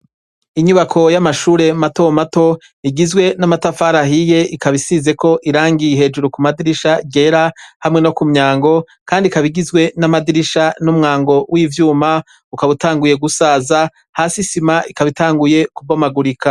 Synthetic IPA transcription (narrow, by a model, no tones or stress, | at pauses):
iɲuβakʰo̞jamaʃuːɾe̞mato̞mato̞ | iɡizɡwe̞namatafaɾaɦije̞ʔikaβisize̞ko̞ʔiɾaːŋɡijɦe̞ːd͡ʒuɾukumadiɾiʃaiɡe̞ɾahamŋe̞no̞kumɲaːŋɡo̞ | kaːndikaβiɡizɡwe̞namadiɾiʃanumŋaːŋɡo̞wʔiːvjuːma | ukaβutaːŋɡuje̞ɡusaːza | haːsisimaʔikaβitaːŋɡuje̞kubomaɡuɾikʰa